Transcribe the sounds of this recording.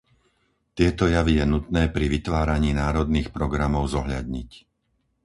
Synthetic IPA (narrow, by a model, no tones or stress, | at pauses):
t̪ɪɛt̪ɔjaʋijɛnut̪nɛːpɾiʋit̪ʋaːɾaɲiːnaːɾɔd̪niːxpɾɔɡɾamɔʊzɔɦʎa̰d̪̚ɲic